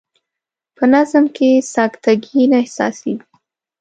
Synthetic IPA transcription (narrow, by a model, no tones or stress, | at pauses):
pənazmkesɑkt̪ʰaɡinaɪhsɑ̰siɡi